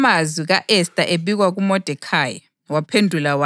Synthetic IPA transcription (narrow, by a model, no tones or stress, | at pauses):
mazwiɣaʔɛstʼaʔeβiɣwaɣumɔd̥ʱɛkʰajɛ | wapʰendʱulawa